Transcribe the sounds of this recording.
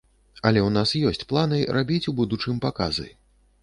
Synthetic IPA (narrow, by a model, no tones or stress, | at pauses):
ɐlʲɛwnasjɔsʲt͡sʲplˠanɨɾabʲit͡sʲubud̪ut͡ʂɨmpaka̰zɨ̰